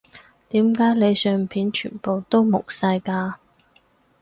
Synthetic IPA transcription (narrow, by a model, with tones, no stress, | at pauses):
t̪iː˨˥mkaː˨˥jle˨˧jsœː˨˧ŋpʰiː˨˥nt͡ʃʰy̰ː˨˩npo˨wt̪o˥wmʊ˨˩k̚sɐ˧jkaː˧